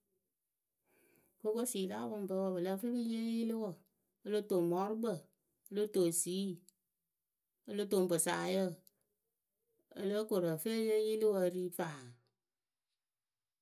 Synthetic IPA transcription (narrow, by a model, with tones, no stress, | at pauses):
ko˦ko˦si˨la˦bɨ˧m˨bə˧˦wə˧bɨ˨lə˦fə˦ki˦jə˦ji˦lɨ˦wə˨ | ə˦lo˦to˨mɔ˦ɾu˦bə˨ | ə˦lo˦to˨siː˨˦ | ə˧lo˦to˨m˨bɨ˨sa˨jə˦˨ | ə̰˦lə˦ko˨ɾə˨fe˦jə˦ji˦lɨ˦wə˧˦ɾiː˦faː˨